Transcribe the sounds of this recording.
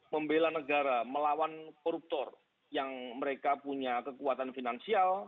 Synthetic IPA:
pəmbelanəɡaɾaməlawankɔɾup̚t̪ɔr | jaŋməɾekapuɲakəkuat̪anfinansial

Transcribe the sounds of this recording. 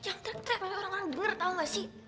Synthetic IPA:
jaŋt̪ɛŋt̪ɾɛk̚aɲaoɾaŋoɾaŋdəŋərt̪auŋlasi

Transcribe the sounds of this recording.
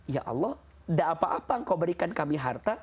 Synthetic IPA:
ja̰ʔɑ̰lːɔh | daːpaʔapaəŋkawbəɾikankamiɦart̪a

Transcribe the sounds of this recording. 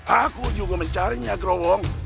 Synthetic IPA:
akod͡ʒuɡomet͡ʃaɾeɲiaɡɾɔwɔŋ

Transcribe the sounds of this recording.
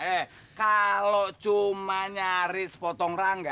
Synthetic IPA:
ɛ | kalɔt͡ʃumaɲaɾisə̥pɔt̪ɔŋraŋɡa

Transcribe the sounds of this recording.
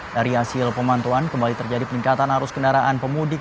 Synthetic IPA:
daɾiasɪlpəmant̪uankəmbalit̪ərd͡ʒadipəniŋkat̪anhaɾʊskəndaɾaʔanpəmudɪ

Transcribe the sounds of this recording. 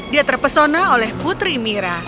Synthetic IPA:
diat̪ərpəsonaolɛhbut̪ɾimiɾa

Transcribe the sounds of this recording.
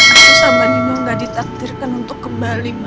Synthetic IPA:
akusamamaŋɡaʔdit̪ak̚dirkanunt̪ʊkːəmbalim

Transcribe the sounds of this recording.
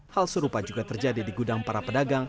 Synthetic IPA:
halsəɾupad͡ʒuɡat̪ərd͡ʒadidiɡudaŋpaɾapədaɡaŋ

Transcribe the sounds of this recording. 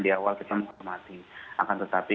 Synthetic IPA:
diawalkit̪aməŋɦɔrmat̪iʔa̰kant̪ət̪api

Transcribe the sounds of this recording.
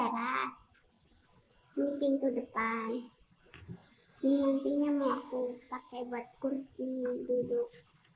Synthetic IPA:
əɾas | mipiŋt̪udəpan | dimunp̪iɲamoakupakɛbuat̪̚kursiduduk̚

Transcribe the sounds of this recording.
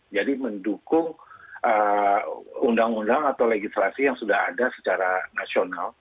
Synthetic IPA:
d͡ʒadiməndukʊŋʔə | undaŋundaŋat̪awleɡislasijaŋsudahadasə̥t͡ʃaɾanasional

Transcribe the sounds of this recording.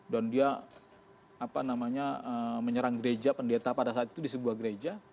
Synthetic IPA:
dandia | apanamaɲaəməɲəɾaŋɡəɾed͡ʒapəndet̪apadasaat̪̚i̥t̪udisəbuahɡəɾed͡ʒa

